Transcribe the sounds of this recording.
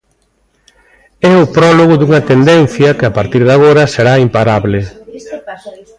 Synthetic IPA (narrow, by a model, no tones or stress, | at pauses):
ɛʊpɾɔloɣʊd̪uŋɐt̪end̪en̟θjɐkɪapaɾt̪iɾðaɣ̞oɾɐseɾaimpaɾaβlɪ